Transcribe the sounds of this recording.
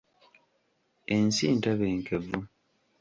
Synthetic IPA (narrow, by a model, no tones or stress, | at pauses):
ensiːntaβeːŋkevu